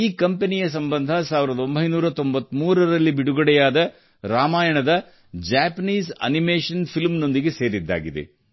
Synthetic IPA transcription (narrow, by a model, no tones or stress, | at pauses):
iːkɐmpenijɐs̬ɐmbɐnd̪ʱɐsaːʋiɾɐd̪ɐo̞mbʱɐjnuːɾɐt̪o̞mbɐt̪ːmuːɾɐɾɐlːibiɽuɡɐɽɛjaːd̪ɐ | ɾaːmaːjɐɳɐd̪ɐ | d͡ʒaːpɐniːsɐ̰nimeːʂɐnpʰilmno̞nd̪iɡe̞seːɾid̪ːa̰ːɡid̪ḛ